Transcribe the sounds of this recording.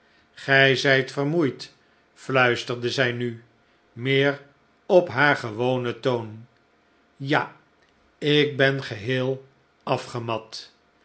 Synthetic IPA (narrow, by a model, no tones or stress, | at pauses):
χɛjzɛjtfərmujt | flœɥstəɹdəzɛjny | mɪːr | ɔpɦaːɹχəʋownətown | ja | ɪk̚bɛnχəɦɪːlˠ | ɑfχəmɑt